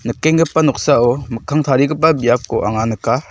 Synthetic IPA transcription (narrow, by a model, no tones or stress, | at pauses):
nɯkːeŋɡɯpːanɔk̚saɔməkʰaŋt̪ʰaɾiɡɯp̬ːabijap̚kɔʔa̰ŋanɯka